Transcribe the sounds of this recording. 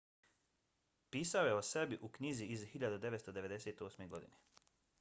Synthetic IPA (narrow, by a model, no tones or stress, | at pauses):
piːsaojeo̞se̞biʔukɲiziizhiʎad̪ud̪e̞ʋet̪st̪o̞d̪e̞ʋe̞d̪eseːt̪o̞ːsme̞ɡo̞d̪ḭne